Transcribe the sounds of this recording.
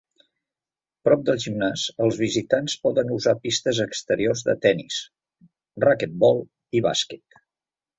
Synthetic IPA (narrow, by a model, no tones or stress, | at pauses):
pɾɔp̚d̪əlˠʒimnasəlˠzβizit̪anspɔðənuzapist̪əzəkst̪əɾiorzðə̰t̪ɛnis | rakɛt̪̚bɔlˠ | iβa̰skɛt̪